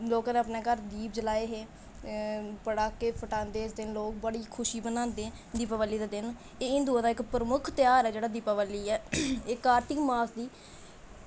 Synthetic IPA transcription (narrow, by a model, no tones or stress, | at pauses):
loːkaːneəpneːkəɾd̪iːp̚d͡ʒəlaːeːɦeː | pəɽaːkeːpʰəʈãːnd̪eːɪsd̪ɪnloːk̚bəɽiːkʰʊʃiːbənãːnd̪eː | d̪iːpaːʋalːiːd̪aːd̪ɪn | eːɪ̃nd̪uaːd̪aːɪkpɾəmʊkʰt̪ɪjaːɾɛːd͡ʒeːɽaːd̪iːpaːʋalːiːɛːɪkaːɾt̪ɪkmaːsd̪iː